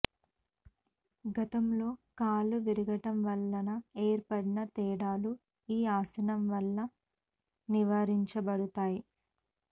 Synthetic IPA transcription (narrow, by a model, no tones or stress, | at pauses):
ɡɐt̪ɐmlo̞ːkaːluʋiɾuɡɐʈɐmʋɐlːɐnɐeːɾpɐɽinɐt̪ɛːɽaːlu | iːaːsɐnɐmʋɐlːɐ | niʋaːɾiɲt͡ʃɐbɐɽut̪aːji